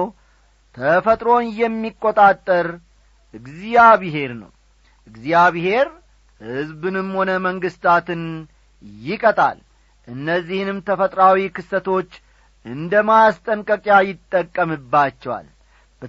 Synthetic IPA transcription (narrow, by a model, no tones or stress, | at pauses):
t̪ʰəfət̪ʼɾo̞njɛmːikʼːot̪ʼat̪ʼːəɾ | ʔɨɡzijaβiɦe̞ɾnə̰w | ʔɨɡzijaβihe̞ɾ | hɨzbɨnɨmho̞nəməŋɡɨst̪ʰat̪ɨn | jɪkʼət̪ʼa̰l | ʔɨnːəzːihɨnɨmt̪ʰəfət̪ʼɾawikʰɨsət̪ʰo̞t͡ʃː | ʔɨnd̪əmast̪ʼəŋkʼəkʼjajɪt̪ʼːəkʼːəmɨbːat͡ʃːɛwa̰l | b̥ə